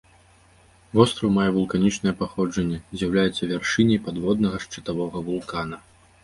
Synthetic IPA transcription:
vɔst̪ɾɐwmajɛvulˠkanʲit͡ʂnɐjɛpaxɔd͡ʐɐnʲːɛzʲjawlʲajɛt̪sːɐvʲarʂɨnʲɐjpad̪vɔd̪̚nɐɣɐʂt͡ʂɨt̪avɔɣɐvulˠkanɐ

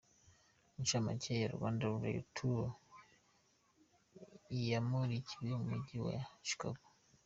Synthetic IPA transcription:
mut͡ʃama̰cʰejaɾṵβa̰ːndaβuɾa̰jṵtʰu | ijamuɾiciwemumuɟiwa̰t͡ʃi̥kaɡu̥

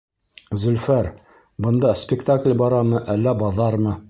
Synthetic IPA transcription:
zɵ̆lfæɾ | bɤ̆nd̪ɑspʲɪkt̪aklʲbɒɾɑmɤʔælːæbɒðɑɾmɤ

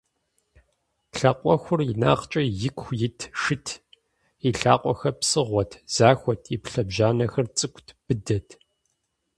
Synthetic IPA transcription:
ɬɐqʷʼɔxʷʊrɪna̰ːqt͡ʃʼɐjɪkʷxʷjɪtʰʂɨtʰ | iɬaːqʷʼɔxɐpsɨʁʷɔtʰz̥aːxʷɔtʰipɬɐbʒaːnɐxɐrt͡sʼɨkʷʰʼtʰb̥ɨdɐtʰ

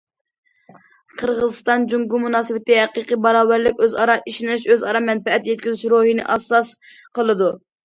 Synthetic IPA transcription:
qʰəɾʁəzɨst̪ɑnd͡ʒuŋɡumunɑːsɨwɪt̪ɪɦæqiqibɑɾɑːvæɾlɪkʲøzɑɾɑʔiʃinɪʃøzɑɾɑmɛnpɛɛt̪jɛt̪̚kʲyzyt͡ʃɾohinɪ̰ʔɑsɑs | qəlˠɨd̪u

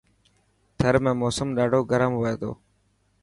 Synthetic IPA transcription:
t̪ʰəɾmẽːmoːsəmɗaːɖʱoːɡəɾəmɦəeːt̪ʰo̰ː

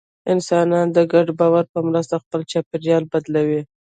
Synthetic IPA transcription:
ɪnsɑnɑnd̪əɡaɖbɑwaɾpəmɾəst̪axpəlt͡ʃɑpɪɾjɑlbad̪lawi

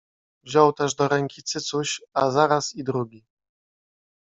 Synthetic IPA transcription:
vʑɔwt̪ɛʐd̪ɔɾɛŋkʲit̪sɘt̪suɕazaɾasid̪ɾuɡʲi

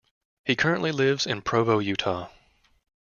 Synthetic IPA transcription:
hikʰɜ˞ɨ̃nʔlilɪvzɨ̃npʰɹ̥oʊvoʊjʉtʰɑ

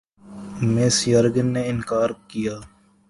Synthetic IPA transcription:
mɪsjəɾɡənːeːɪnkaːɾkijaː

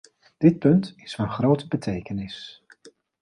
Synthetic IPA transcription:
d̥ɪt̚pɵntɪsfɑnχrowtəbətʰejkənɪs

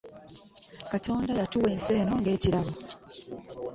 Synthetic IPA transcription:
kato̞ːndajatuwe̞ːnse̞ːno̞ŋɡe̞ːciɾaβo

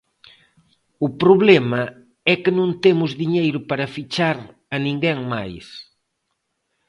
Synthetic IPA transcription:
ʊpɾoβlɛmɐ | ɛkenõnt̪emʊzðiɲejɾʊpaɾɐfit͡ʃaɾ | ɐnĩŋɡɛŋmajs

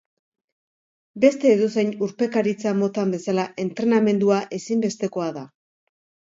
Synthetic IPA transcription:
be̞st̪e̞ːðose̞jnuɾpe̞kaɾit͡samo̞t̪ambe̞salaʔe̞nt̪ɾe̞name̞nd̪uaʔe̞simbe̞st̪e̞ko̞aða

